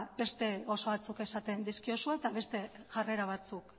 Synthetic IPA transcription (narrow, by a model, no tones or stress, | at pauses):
be̞st̪e̞o̞so̞βat͡suke̞sat̪e̞nd̪iskio̞suet̪aβe̞st̪e̞ʝare̞ɾaβ̞at͡suk